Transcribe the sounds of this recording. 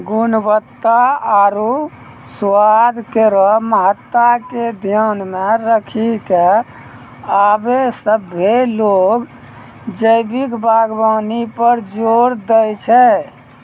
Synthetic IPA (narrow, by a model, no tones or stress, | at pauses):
ɡunbət̪ːaaɾu | swad̪ʱkeɾɔmət̪ːaked̪ʱjanmeɾəkʰike | abesəbʱːeloɡ | d͡ʒəjbikbʱaɡbanipəɾd͡ʒoɾd̪əjt͡ʃʰɛ